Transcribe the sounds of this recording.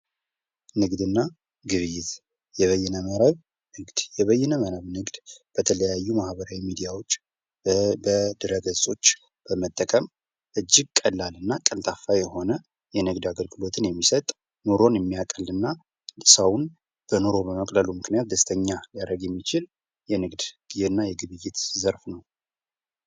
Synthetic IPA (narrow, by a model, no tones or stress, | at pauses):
nɨɡd̪ɨnːa | ɡɨβɨjɪt̪ | jɛβəjːɛnəməɾəβ | nɨɡd̪̥jɛβəjːɛnəmənəβnɨɡd̪b̥ət̪ʰələjajːumahbəɾawimid̪ijawo̞t͡ʃː | bəd̪ɨɾəɡəzsʼo̞t͡ʃː | b̥əmət̪ʼːəkʼəm | ʔɨd͡ʒːɪɡ̚kʼəlːalɨnːakʼəlt̪ʰʼafajɛho̞nə | jɛnɨɡd̪aɡəlɡɨlo̞t̪ʰɨnjɛmːisət̪ʼ | noɾo̞njɛmːijakʼəlɨnːa | səwn | b̥ənoɾo̞bəməkʼləlumɨknijat̪̚d̪əst̪ʰəɲːalaɾəɡjɛmːit͡ʃɪl | jɛnɨɡd̪ɡ̥ɨzeɨnːajɛɡɨβɨjːet̪zəɾfnəw